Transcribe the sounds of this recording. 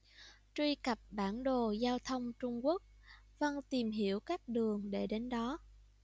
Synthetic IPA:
t͡ɕwi˧ka˨˩p̚ɓaː˧˩nɗo˨˩zaː˧wt̪ʰə˧wŋ͡mt͡ɕʊ˧ŋ͡mku˦˥ək̚ | və˧nt̪i˨˩mɦi˧˩əwkaː˦˥k̚ɗɨ˨˩əŋɗe˧˩ɗe˨˦nɗɔ˨˦

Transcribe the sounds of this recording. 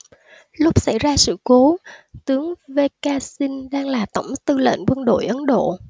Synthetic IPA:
lʊ˦˥p̚sa̰˧˩jzaː˧sɨ̰˧˨ko˨˦t̪ɨ˨˦əŋve˧kaː˧si˧nɗaː˧ŋlaː˨˩t̪ə˧˩wŋ͡mt̪ɨ˧lə̰˧˨nkwə˧nɗo̰˧˨jʔə˨˦nɗo̰˧˨

